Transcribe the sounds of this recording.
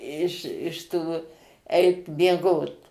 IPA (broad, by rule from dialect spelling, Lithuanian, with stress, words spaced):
ɪʃ ɪʃ ˈtuː ˈɛɪt mʲiɛˈɡoːt